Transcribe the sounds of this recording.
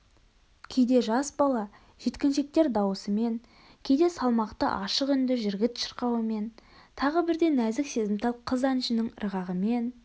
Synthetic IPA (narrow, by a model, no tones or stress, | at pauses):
kʲʰe̞jd̪e̞ʒɑsbɑlˠɑ | ʒ̥e̞t̪kʲɪnʃe̞k̚t̪e̞ɾd̪ɑwəsəme̞ŋ | kʲʰe̞jd̪e̞sɑlˠmɑqt̪ə̰ʔɑʃəqʏnd̪ɪʒɪɾɡʲɪt̪ʃə̥ɾqɑwəme̞nt̪ʰɑʁəbɪɾd̪e̞næzɪkse̞zɪmt̪ʰɑlˠqʰəzɑnʃɪnɪŋɾəʁɑʁəme̞n